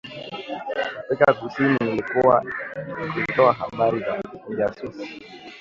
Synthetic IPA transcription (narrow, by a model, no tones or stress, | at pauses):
afikakusininilikuwanikutɔaɦa̰ɓaɾizamuʄasusi̥